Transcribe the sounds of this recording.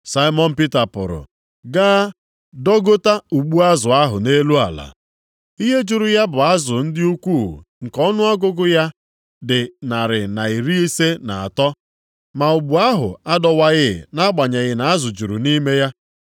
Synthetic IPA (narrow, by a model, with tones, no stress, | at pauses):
sa˦i˦mɔ˦n̩˦pi˦ta˨pʊ̰˨ɾʊ̰˨ | ɡaː˦ | dɔ˦ɡo˦ta˦u˨ɡ͡bu˦a˦zʊ˨a˦ɦʊ˨ne˦lu˦a̰˨la̰˨ | i˦ɦe˦d͡ʒu˨ɾʊ˨ja˦bʊ˨a˦zʊ˨n̩˦dɪ˦u˦kʷu˦˨ŋ̩˨kɔ˦nʊ˦ɔ˦ɡʊ˦ɡʊ˦ja˦ | dɪ˨na˨ɾɪ˨na˨i˨ɾi˦i˦se˦na̰˨a̰˨tɔ˦ | ma˨u˨ɡ͡bu˨a˦ɦʊ̰˨a˦dɔ˦wa˦ɣɪ˦˨na˦ɡ͡ba˨ɲe˨ɣɪ˨na˨a˦zʊ˨d͡ʒu˨ɾṵ˨ni˦me˦ja˦